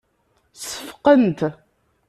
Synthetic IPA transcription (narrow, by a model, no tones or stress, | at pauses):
sə̥fqənt̪